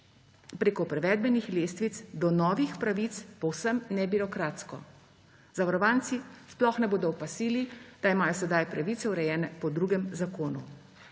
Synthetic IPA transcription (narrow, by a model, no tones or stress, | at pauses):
pɾeːkɔpɾɛʋɛːd̪̚bɛnixleːst̪ʋit̪sd̪ɔnɔːʋixpɾaʋit̪spɔwsəmnɛbiɾɔkɾaːt̪skɔ̰ | zaʋaɾɔʋaːnt̪sisplɔxnɛboːd̪ɔɔpasiːlid̪̥aimaːjɔsɛd̪ajpɾaʋiːt̪sɛwɾɛjɛːnɛpɔd̪ɾuːɡɛmzakoːnṵ